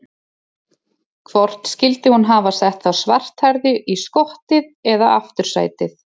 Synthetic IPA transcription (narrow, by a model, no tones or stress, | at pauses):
kʰvɔr̥t̪n̥scɪlt̪ɪhunɦavasɛht̪θawsvar̥t̪haɾðʏʔiskɔht̪ɪðɛðaʔa̰ft̪ʏɾ̥sa̰ːjt̪ɪθ